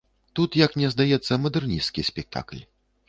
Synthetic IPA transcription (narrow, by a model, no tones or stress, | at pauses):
t̪ut̪jɐknʲɛzd̪ajɛt̪sːɐmɐd̪ɛrnʲiskʲisʲpʲɛk̚t̪ʰa̰klʲ